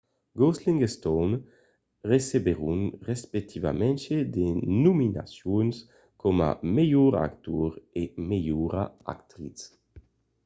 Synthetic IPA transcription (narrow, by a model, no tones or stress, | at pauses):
ɡɔsliŋɡest̪ɔn | resebeɾunrespek̚t̪ʰiva̰mɛnt͡ʃed̪enumina̰sjuns | kʰɔma̰mejuɾa̰kt̪uɾemejuɾaa̰kt̪ɾit͡s